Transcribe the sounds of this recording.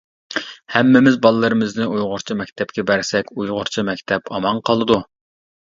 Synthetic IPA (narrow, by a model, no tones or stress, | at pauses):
hɛmːɪmɪzbɑlˠɨlːˠɨɾɨmɪznɪujʁʊɾt͡ʃʰimɛkʲt̪ʰɛp̚kʲɛbæɾsɛkʲujʁʊɾt͡ʃʰimɛkʲt̪ʰɛpʰɑmɑŋqʰɑlˠɨd̪u